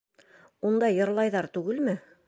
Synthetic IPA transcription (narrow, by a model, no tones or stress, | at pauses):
und̪ɑjɤ̆ɾlˠɑjðɑɾt̪ʉɡɘlmɘ